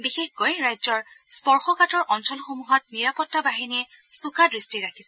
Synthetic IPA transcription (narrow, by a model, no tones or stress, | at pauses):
bixexkojɹajzɔɹspɔɹxɔkatɔɹʔɔnsɔlxomuɦɔt̚niɹapɔtːabaɦiniɛ | sukadɹistiɹakʰisɛ